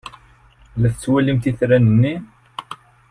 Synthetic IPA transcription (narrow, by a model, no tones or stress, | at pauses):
læθət͡sːwælimt̪iθɾænənːi